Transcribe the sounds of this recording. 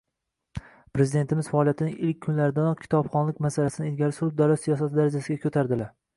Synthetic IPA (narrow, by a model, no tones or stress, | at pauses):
pɾezɪd̪e̞nt̪ʰɪmɪzfaːlˠijat̪ʰɪnɪʔɪlkʲʰːʊnlaɾɪd̪anɒqkʲʰɪ̥t̪ʰɒbχɒnlɪkʲmasalasɪnɪelɡʲalɪsʊɾɪb̚d̪alɒt̪sijɒs̬at̪ʰɪd̪aɾad͡ʒasɪɡʲakʰɵt̪ʰaɾd̪ɪla